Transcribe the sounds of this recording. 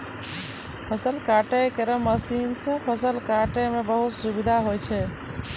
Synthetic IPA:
pʰəsəlkaʈɛkeɾəməsinsẽpʰəsəlkaʈemebəɦut̪subid̪ʱaɦojt͡ʃʰɛ

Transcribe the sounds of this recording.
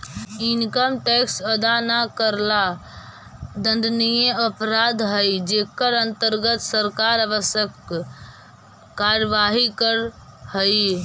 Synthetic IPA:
inkəmʈɛksəd̪anakəɾla | d̪ə̃nɖ̪nijeəpɾad̪ɦəjd͡ʒekəɾənt̪əɾɡət̪səɾkaɾəʋəsjək | kːaɾəʋaɦikəɾ | həj

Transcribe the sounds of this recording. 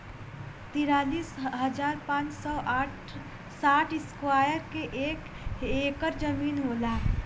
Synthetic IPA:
t̪iɾaːliːsɦəd͡ʒaːɾpãːt͡ʃsɔʔaʈ | saːʈʰɪskwajəɾkeʔek | ekəɾd͡ʒəmiːnɦolaː

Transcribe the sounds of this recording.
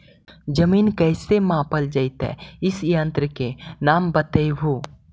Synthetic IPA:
d͡ʒəmiːnkɛːsemãːpəld͡ʒəɪt̪ɦɛ̰ɪsjə̃nt̪ɾəkenaːmbət̪əjɦuː

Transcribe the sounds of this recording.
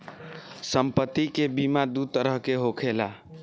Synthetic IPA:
səmpət̪ːikebimad̪ud̪̚t̪əɾəɦkeɦokʰela̰

